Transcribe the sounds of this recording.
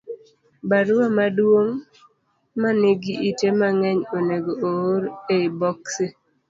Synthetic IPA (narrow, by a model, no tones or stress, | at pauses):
baɾʊamadwoŋ | maneɡiʔitemaŋɛɲoneɡoooɾeibɔkse